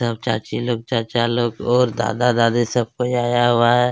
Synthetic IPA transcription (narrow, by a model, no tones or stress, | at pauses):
sɐb̚t͡ʃa̰ːt͡ʃiloːɡ̚t͡ʃaːt͡ʃaloːɡɔːɾd̪a̰ːd̪ad̪aːd̪isɐb̚koaːjaɦʊaɦɛː